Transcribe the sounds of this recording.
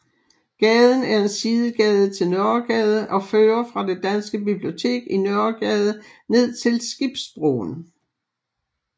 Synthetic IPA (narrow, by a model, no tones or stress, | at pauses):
ɡ̥ɛːð̞ˠn̩æɐe̝nsiːðˠəɡ̥ɛːð̞ˠət͡sʰe̝lnœɐɡ̥ɛð̞ˠəʔɒ̽føːɐfʁɑ̈d̥ed̥ænsɡ̥əbib̥lio̝t͡sʰe̝̰ːɡ̥inœɐɡ̥ɛːð̞ˠəne̝ð̰ˠt͡sʰe̝lsɡ̥ib̥sb̥ʁo̰ːn